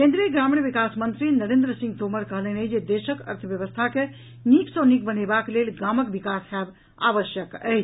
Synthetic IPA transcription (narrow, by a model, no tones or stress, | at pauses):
kẽnd̪ɾiəɡɾamiɳʋikasmənt̪ɾinəɾẽnd̪ɾəsĩŋɡt̪oməɾkəɦləɦnəɦjd͡ʒed̪eʃəkə̰ɾt̪ʰəbjəʋəst̪ʰake | niksə̃nik̚bənebaklelɡaməkbikasɦɛb | a̰ʋəʃjəkə̰ɦ